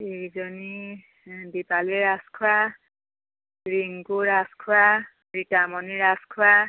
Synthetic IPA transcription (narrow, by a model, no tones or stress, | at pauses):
eɹizɔni | bipaliɹaskʰua | ɹiŋɡuɹaskʰwa | bɹitamɔniɹaskʰwa